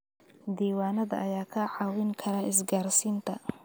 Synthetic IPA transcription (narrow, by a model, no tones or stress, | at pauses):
d̪iːwaːnɐðɐ̰ʔɐjaːkʰɐʕɑːwɪŋkʰɐɾaːɪs̬ɡaːrsiːnt̪ʰɐ